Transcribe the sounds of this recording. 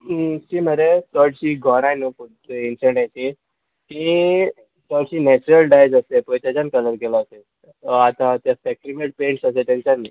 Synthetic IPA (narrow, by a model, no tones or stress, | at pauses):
t͡ɕiːməɾesɔɽɕiːɡʱɔɾajnuput̪insəɳɖajt͡ɕ̪i | t̪ĩ | sɔɽɕiːnɛt͡ɕuɾəlɖajd͡zəsepɔjt̪jad͡ʑankələɾɡelaːse | at̪ãt̪jasɛkɾimeʈ̚pẽɳʈsəset̪ãɲt͡ɕani